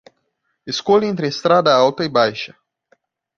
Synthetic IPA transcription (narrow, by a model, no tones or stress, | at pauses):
eskolint̪ɾest̪ɾad̪aalt̪ɐibajʃɐ